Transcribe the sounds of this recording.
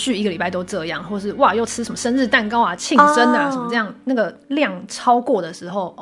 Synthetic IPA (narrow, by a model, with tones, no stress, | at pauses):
t͡ɕy˥˧˩i˧˥ɡə˨li˨˩pa˥˩ɪt̪o˥ʊʈ͡ʂɤ˥˧jɑ˥˨˩ŋxwɔ˥˩ʂ̬ɻ̩˥˩wa˥˧jo˥˩ʊt͡sʰɻ̩˥ʂə˧˦mə˨˩ʂə˥nɻ̩˥˧t̪a˥˩nkɑ˥ʊa˨t͡ɕʰi˥˨ʈ͡ʂə˦nə˨ʂə˨˩mə˧ɤ˥˧jɑ˥˩ŋna˥˩ɡə˩ | ljɑ˥˨˩ŋʈ͡ʂʰɑ˥ʊkwɔ˥˩d̪ə˩ʂɻ̩˧˥xo˥˨˩ʊ